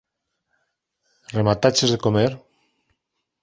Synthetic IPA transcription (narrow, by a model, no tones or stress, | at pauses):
remat̪at͡ʃezðekomeɾ